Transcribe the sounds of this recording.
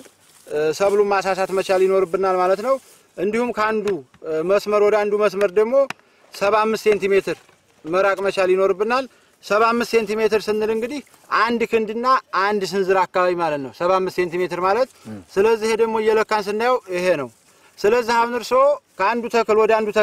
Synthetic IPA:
səβlumas̬asat̪mət͡ʃaljɪno̞ɾɨbːɨnalmalət̪nəw | ʔɨnd̪ihumkʰəand̪u | məsməɾwɔd̪əand̪uməsməɾd̪əɡmo̞ | səβamːɨst̪se̞nt̪ime̞t̪ʰɨɾ | məɾakʼmət͡ʃaljɪno̞ɾɨbːɨnal | səβamːɨst̪se̞nt̪ime̞t̪ɨɾsɨnːɨlɨŋɡɨd̪ih | ʔand̪kʰɨnd̪ɨnːaʔːnd̪s̬ɨnzɨɾakːaβaβimalət̪nəwsəβamːɨst̪se̞nt̪ime̞t̪ɨɾmalət̪sɨləzːihed̪əɡmo̞jːɛləkːans̬ɨnd̪ajawjɪhe̞nəw | sɨləzːihaβnɨɾsokʰəand̪ut̪ʰəkɨlwɔd̪əand̪ut̪ʰ

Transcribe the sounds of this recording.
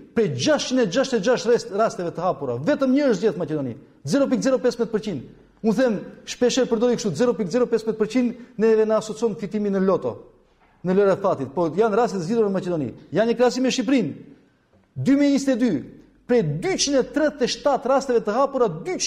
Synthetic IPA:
pɾɛjd͡ʒaʃt͡ʃinɛd͡ʒaʃt̪ɛd͡ʒaʃt̪ɛɾast̪ɛvɛt̪əhapuɾavɛt̪əmɲəəʃt̪zd͡ʑɛθmat͡ʃɛd̪ɔnḭ | d͡zɛɾɔp̬ikd͡zɛɾɔpɛsmɛt̪̚pəɾt͡ɕind̪ | unθɛmʃpɛʃɛɾpəɾd̪ɔikʃt̪uzɛɾɔpikzɛɾɔpɛsmɛd̪̚pəɾt͡ɕind̪nɛðɛnəasɔt͡sɔnfit̪iminəlɔt̪ɔ̰ | nəlɔɾat̪fat̪it̪̚pɔjanɾast̪ɛt̪əziðuɾnəmat͡ʃɛd̪ɔnḭjanɲəkɾɛasimɛʃip̬ɾin | d̪ymiɛɲist̪ɛd̪y | pɾɛjd̪yt͡ʃinɛt̪ɾɛt̪ːɛʃt̪at̪rast̪ɛvɛt̪əɦapuɾad̪y

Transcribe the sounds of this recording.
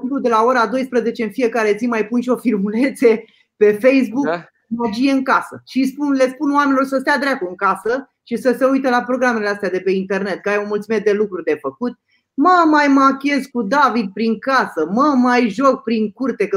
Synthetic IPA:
uk̪ud̪e̞lao̞ɾad̪o̞jspɾəze̞t͡ʃe̞ɨnfije̞kaɾe̞zimajpunʃio̞firmule̞nt̪sie̞ | pe̞fejs̬buk | məd͡ʒije̞ɨŋkasə̰ʃispunle̞spunoamenilo̞rsəst̪ead̪ɾakoɨŋkasə | ʃisəse̞ujt̪elapɾo̞ɡɾame̞least̪ead̪e̞pe̞int̪e̞rne̞t̪̚kəajeuənmult̪sumet̪̚d̪e̞lukɾurʲd̪e̞fəkut̪̚ | məmajmakʲe̞zkud̪avid̪̚pɾiŋkasəməmajʒo̞k̚pɾiŋkurt̪e̞k

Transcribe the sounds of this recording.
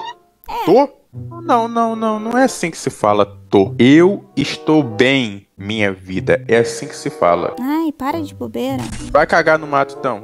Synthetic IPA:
t̪o | nɐ̃w̃nɐ̃w̃nɐ̃w̃nɐ̃w̃ɛasĩkɪ̥sɪfa̰lɐt̪oewɪʃt̪owbẽj̃mĩɲɐvid̪ɐɛasĩkɪ̥sɪfa̰lɐ̰ajpaɾɐd͡ʒɪbobeɾɐ̰vajkaɡanʊmat̪ʊĩt̪ɐ̃w̃

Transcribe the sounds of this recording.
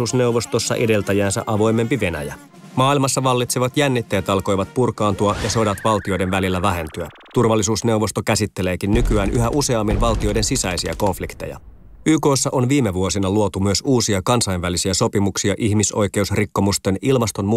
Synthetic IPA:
uːsne̞uʋost̪osːɑ̰ʔede̞lt̪æjæːnsæ̰ʔɑʋo̞jme̞mpiʋe̞næ̰jæ | mɑːilmɑsːɑʋɑlːit̪siʋɑt̪jænːit̪ːæjæt̪ɑlko̞jʋɑt̪̚purkɑːnt̪uɑjɑso̞dɑt̪ʋɑlt̪io̞jdenʋælilːæʋæɦe̞nt̪yæ | t̪urʋɑlːisuːsne̞wʋo̞st̪o̞kæsit̪ːele̞ːkinːykyæːnʔyɦæʔuse̞ɑmːinʋɑlt̪io̞jde̞nsisæjsiæ̰ko̞ɱflikt̪e̞̰jɑ̰ | yːko̞ːsːɑʔonʋiːme̞ʋuo̞sinɑluot̪umyøsuːsiɑkɑnsɑjnʋælisiæso̞pimuksiɑʔiçmiso̞̰jke̞usrikːo̞must̪e̞nilmɑst̪o̞nmu

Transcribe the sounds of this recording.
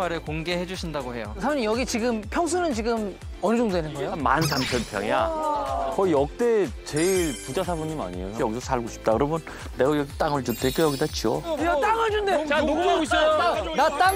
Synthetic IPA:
aɾɯɭkoŋɡe̞he̞d͡ʑuɕʰindaɡohe̞josʰaɲːimjʌɡit͡ɕiɡɯmpʰjʌŋs̬ʰunɯnt͡ɕiɡɯm | ʌnɯd͡ʑoŋdwe̞nɯnɡʌejoma̰nsampʰjʌnpʰjʌŋa̰ | kʌijʌk̚t͈e̞t͡ɕeiɭpud͡ʑasʰabuɲːima̰ɲioʌjʌɡisʰʌsʰaɭɡoɕʰi̥p̚t͈akɯɾʌmjʌn | ne̞ɡajʌɡit͈aŋɯɭd͡ʑutʰek͈ojʌɡidat͡ɕiojt͈aŋɯɭd͡ʑundeanomanat͈a

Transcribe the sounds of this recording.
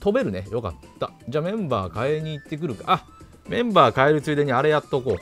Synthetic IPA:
t̪o̞be̞ɾɯ̟ne̞jo̞ka̰t̪ːad͡ʑaːmẽ̞mba̰ːkae̞ɲ̟iːt̪ːe̞k̬ɯɾɯ̟ka̰ʔa | mẽ̞mbaːkae̞ɾɯ̟t͡sɨːd̪e̞ɲ̟iaɾe̞jat̪ːo̞ko̞ː

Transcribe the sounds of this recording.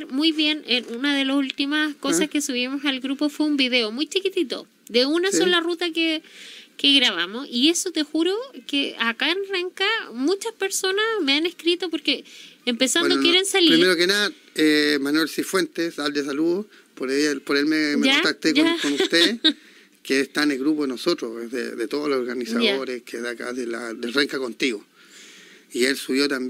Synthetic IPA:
ɾmujβje̞nenunaðe̞lasult̪imaskosahkesuβimosalɣɾupo̞fweumbiðe̞omujt͡ʃikit̪it̪o̰ | d̪eunassolarut̪akekeɣɾaβamosie̞sot̪exuɾokeakaenreŋkamut͡ʃaspe̞ɾso̞nasmeanehkɾit̪opoɾkeːmpesaned̪okjeɾensaliɾiɾmeɾokena | emanwelsifwe̞nt̪esald̪es̬aluðo | poɾelpoɾelmeekkaont̪ak̚t̪ekoankonut̪eðs | keːst̪aenelɣɾup̬oðenosot̪ɾoðḛðet̪oðolosoɾɣanisaðoɾeskeðaka̰ðelad̪elreŋkako̞nt̪iɣo | ielsuβjo̞t̪amb

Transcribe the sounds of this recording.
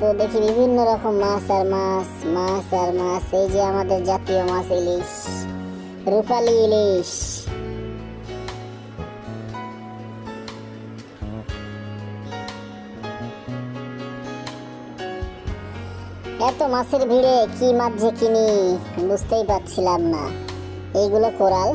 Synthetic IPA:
t̪od̪ekʰibibʱinːoɾɔkomːasaɾmasmasaɾmasejd͡ʒiamad̪eɾd͡ʒat̪ijomãsiliʃ | ɾupaliliʃ | ɛt̪omaseɾbʱiɽekimad̪ʱekinid̪ust̪ejpat̪t͡ɕʰilamna̰ | ejɡulokoɾal

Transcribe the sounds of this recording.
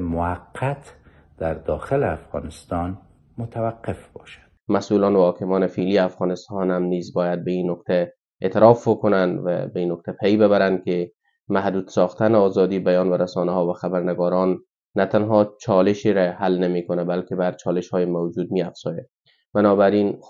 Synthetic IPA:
mʊaqʰːat̪ | d̪̥aɾd̪ɒxɪleafɣɒ̰nɪst̪ɒn | mʊt̪ʰawaqːɪfbɒʃḁd̪̥masuːlɒːnwhɒkɪmɒːnɪfiliːafɣɒnɪst̪ɒnhamnizbɒːjad̪̚beinːʊkt̪ʰæ | et̪ɪɾɒfbokʊnand̪væ̰beiːnːok̚t̪ʰapʰejbɪbæɾand̪kɪ | mahd̪uːd̪̥sɒxt̪anɪɒːzɒd̪iːbajɒnvæɾasɒnahɒvaxabæɾnɪɡɒːɾɒnː | at̪anɦɒt͡ʃʰɒlɪʃiɾæhalnamikʊnabalkɪbaɾt͡ʃʰɒːlɪʃhɒːjemawd͡ʒuːd̪̚miafz̥ɒja | b̥anɒːbæɾin

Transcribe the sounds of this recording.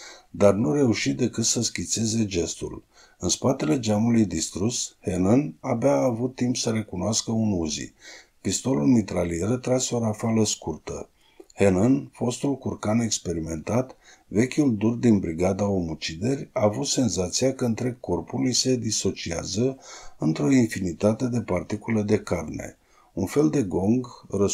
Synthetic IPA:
d̪arnure̞uʃit̪̚d̪e̞kɨt̪səskʲint̪se̞ze̞d͡ʒe̞st̪ṵl | ɨnspat̪e̞le̞d͡ʒamulujd̪ist̪ɾushe̞nənabeaːvut̪ːimpsəɾe̞kunoaskəunuzḭ | pist̪o̞lulmit̪ɾalieɾət̪ɾaseo̞ɾafaləskurt̪ə̰ | he̞nənfo̞st̪ulkurkane̞kspe̞ɾime̞nt̪at̪ | ve̞kʲuld̪urd̪inbɾiɡad̪ao̞mut͡ʃid̪e̞rʲaːvut̪se̞nzat̪siakəɨnt̪ɾe̞ɡ̚ko̞rpulujse̞d̪iso̞t͡ʃia̰zəɨnt̪ɾo̞infinit̪at̪e̞d̪e̞part̪ikuləd̪e̞karne̞̰ | unfe̞ld̪e̞ɡo̞ŋɡrə

